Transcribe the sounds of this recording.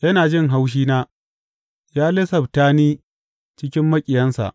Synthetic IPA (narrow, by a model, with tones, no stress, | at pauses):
jɐ˦naː˨d͡ʒɪ˦ŋɦa˦wʃ̬iː˦naː˦ | jaː˦lɪ˦sɐ˨btaː˦niː˦ | t͡ʃɪ˦kʲɪ˦mːɐ˦kʲʼɪ˨jɐ˦nsa̰˨ʔ